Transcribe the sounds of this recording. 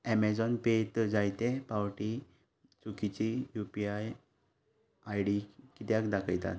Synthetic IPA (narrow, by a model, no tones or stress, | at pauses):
ɛmɛd͡zɔnpet̪d͡zajt̪epawʈi | t͡sukit͡ɕijupiaj | ajɽikit̪jakd̪akʰəjt̪a̰t̪